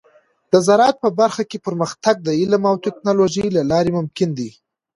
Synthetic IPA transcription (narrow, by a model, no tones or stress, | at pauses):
d̪əzaɾɑt̪̚pəbaɾxakepəɾməxt̪aɡ̚d̪əɪlamawt̪eknɑloʒəjlalɑɾemʊmkɪnd̪i